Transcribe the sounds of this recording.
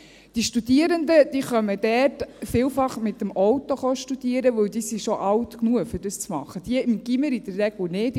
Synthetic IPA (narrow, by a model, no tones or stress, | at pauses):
d̥iʃtud̥iəɾəndəd̥iːχœməd̥ɛːtfiːlfɑχmɪt̪əmʔɔwt̪oχɔʃtud̥iəɾəʋɵwd̪iːsiʃɔʔɑwtknuəfʏɾdəst͡smɑ̰χəd̥iəɪmɡ̥iməɾid̥əɾːɛɡ̥lnɪːt